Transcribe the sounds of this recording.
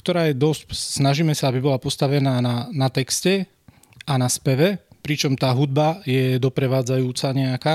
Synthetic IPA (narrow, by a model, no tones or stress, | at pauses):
kt̪ɔɾaːjɛd̪ɔscsnaʒiːmɛsaabibɔlapɔst̪aʋɛnaːnanat̪ɛkscɛ | ʔanaspɛʋɛpɾit͡ʃɔmt̪aːɦud̪̚bajɛd̪ɔpɾɛʋaːd͡zajuːt͡saɲɛakaː